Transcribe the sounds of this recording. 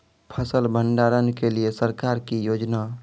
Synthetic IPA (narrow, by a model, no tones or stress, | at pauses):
pʰəsəlbəɳɖaɾənkeliesəɾkaːɾkijoːd͡ʒna